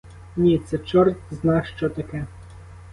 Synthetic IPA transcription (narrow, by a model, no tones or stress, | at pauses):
nʲit̪sɛt͡ʃɔrt̪znɑʃt͡ʃɔt̪ɐkɛ